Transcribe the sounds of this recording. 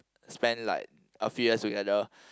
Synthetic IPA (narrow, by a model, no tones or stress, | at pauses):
spɛ̃nla̰ɪk̚ | ʔəfjujəstuɡɛdə